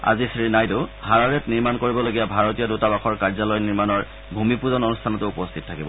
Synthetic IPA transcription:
a̰zisɹinajdʊhaɹaɹɛtniɹmankoɹibɔloɡijabʱaɹotijɔdutabaxɔɹkaɹzalɔjniɹmanɔɹ | bʱumipuzɔnɔnustʰanɔtʊupɔstʰitɔtʰakibɔ̰

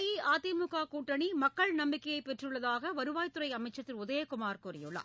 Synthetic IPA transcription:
jiaːt̪imʊɣaːkuːʈːɐɳimɐkːɐɭnɐmbɪkːɐjɐɪpːɛʈrɯɭːɐðaːɣɐʋɐɾɯʋaːjt̪ːɯɾɐɪɐmɐɪt͡ʃːɐt̪ːɪlʊðɐjekʊmaːɾkʊɾɪ̰jʊɭɐ̰

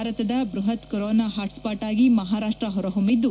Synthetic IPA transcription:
aɾɐt̪ɐd̪ɐbɾuɦɐt̪kɐɾoːnaːɦaːʈspaːʈaːɡimɐɦaːɾaːʂʈɾɐɦɔɾɐɦumid̪ːu

